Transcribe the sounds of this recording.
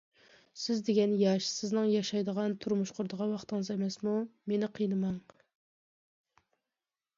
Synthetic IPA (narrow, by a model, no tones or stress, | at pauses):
sɪzd̪eɡʲɛnjɑʃsɪznɨŋjɑʃɑjd̪əʁɑnt̪ʰuɾmuʃqʰʊɾd̪əʁɑwɑχt̪ɨŋɨzemɛsmumenɪqʰijnɨmɑŋ